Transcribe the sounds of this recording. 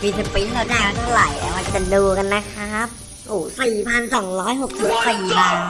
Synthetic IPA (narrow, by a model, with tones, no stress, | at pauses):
biː˧si˧˩piː˦˥lɛː˦˥˩daː˧˩jwaː˦˥˩t̪ʰa˧˩wla˨˩˦jʔɛ˧˩ma˧t͡ɕa˨˩duː˧ka˧nːa˦˥kʰa˦˥p̚ | ʔuː˨˩siː˨˩pʰa˧nsɔ˩˦ŋɾɔː˦˥jɦo˨˩k̚si˨˩p̚siː˨˩baː˧n